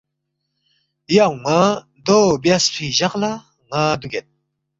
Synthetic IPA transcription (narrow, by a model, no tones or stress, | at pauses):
jawŋa | d̪objaspʰiʑaqla | ŋad̪uɡʲet̪̚